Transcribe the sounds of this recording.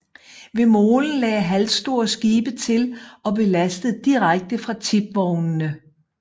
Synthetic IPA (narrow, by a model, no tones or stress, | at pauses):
ʋe̝mo̝ːln̩lɛːɦælsd̥o̝ɐ̰sɡ̥iːb̥ət͡sʰe̝lɒ̽be̝læsd̥əð̩ˠd̥iʁaɡ̥̚d̥əfʁɑ̈t͡sʰib̥̚ʋɒʊnnə